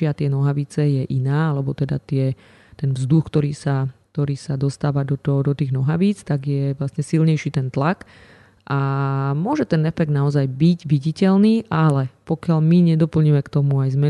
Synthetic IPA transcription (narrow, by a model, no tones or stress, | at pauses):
ɪat̪ɪɛnɔɦaʋit͡sɛjɛʔinaːalɛbɔt̪ɛd̪a̰t̪ɪɛ | t̪ɛnvzd̪uxkt̪ɔɾiːsakt̪ɔɾiːsad̪ɔst̪aːʋad̪ɔt̪ɔd̪ɔt̪iːɣnɔɦaʋiːt͡st̪aɡjɛʋlasɲɛsilɲɛjʃiːt̪ɛnt̪lak | ʔamʊɔʒɛt̪ɛnɛfɛɡ̚d̪naɔzajbiɟʋiɟicɛlniːʔalɛpɔkɪaʎmiɲɛd̪ɔpl̩ɲimɛkt̪ɔmuajzmɛ